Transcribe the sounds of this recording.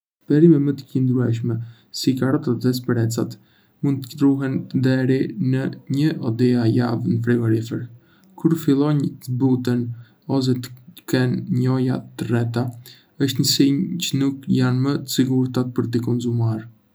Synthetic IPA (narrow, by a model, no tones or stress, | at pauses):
pɛɾimɛmət̪ə̥cind̪ɾuɛʃ̬mɛ | sikaɾɔt̪at̪d̪ɛs̬pɾɛt͡sat̪ | mund̪t̪ːə̥ət̪ɾuɦɛnəd̪ɛɾinəɲəʔɔd̪iajavnəfɾɛɡɔɾifɛɾ | kʰuɾfilˠɔɲzbut̪ən | ɔs̬ɛt̪ə̥kɛnɲɔjat̪ərɛt̪a | əʃt̪ɲəsiɲt͡ɕənukjanmətsiɡuɾt̪at̪̚pəɾt̪ikɔnzumaɾ